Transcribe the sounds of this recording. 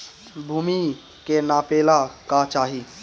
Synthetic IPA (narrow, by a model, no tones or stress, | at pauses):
bʱuːmi | kenapelakat͡ʃaːɦi